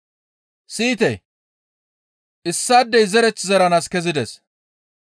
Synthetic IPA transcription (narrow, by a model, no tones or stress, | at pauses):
siːt̪ɛ̰j | ʔɪsːaːd̪ːɛjzɛɾɛt͡sːɪzɐɾɐnaːskɛzɪd̪ɛs